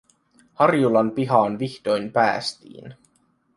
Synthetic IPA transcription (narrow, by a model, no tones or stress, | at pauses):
hɑrjulɑnpiɦɑːnʋiçt̪ojmpæ̰ːst̪ḭːn